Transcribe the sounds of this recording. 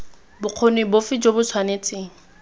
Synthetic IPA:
bʊq͡χʰonebʊfɪd͡ʒobʊt͡sʰwanet͡sʼeːŋ̩

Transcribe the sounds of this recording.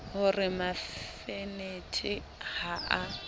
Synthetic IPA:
ɦʊrɪmaffenetʰɪ | haa

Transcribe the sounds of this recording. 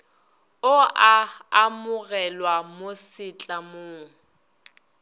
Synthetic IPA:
ʊaamʊɣɛlwamosɪt͡ɬʼamoːŋ̩

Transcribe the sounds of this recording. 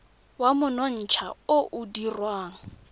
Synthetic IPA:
wamʊnɔn̩t͡ʃʰa̰oʔʊdirwaːŋ̩

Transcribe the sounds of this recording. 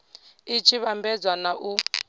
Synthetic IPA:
it͡ʃʰiβambɛd͡zwanaʔu

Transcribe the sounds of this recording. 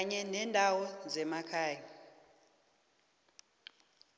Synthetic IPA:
ɲɛnɛndʱawɔd͡zɛmakʰaːja

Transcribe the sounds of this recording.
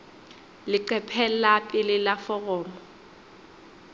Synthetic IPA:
lɪǃɛpʰɛlapʼɪlɪlafɔɣɔːmɔ

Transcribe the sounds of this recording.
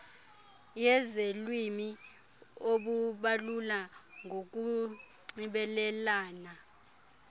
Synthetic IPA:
jɛzelwimi | oɓuɓalulaŋok̬ʼu | ŋ͡ǀiɓɛlɛlaːna

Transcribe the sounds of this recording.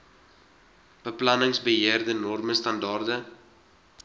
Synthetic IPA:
b̥əplɐnəŋsbəɦiərdənɔrməstɐndɑːrdə

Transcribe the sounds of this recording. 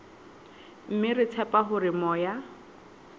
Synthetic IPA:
m̩mɪrɪt͡sʰɛpʼaɦʊɾɪmɔːja

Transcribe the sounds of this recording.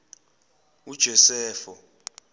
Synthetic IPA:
ud̥ʒ̥ʱɔsɛːfɔ

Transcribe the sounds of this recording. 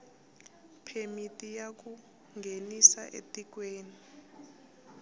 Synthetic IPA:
pʰemitʼijak̬ʼu | ŋɡʱenisa̰ʔḛtʼik̬weːni

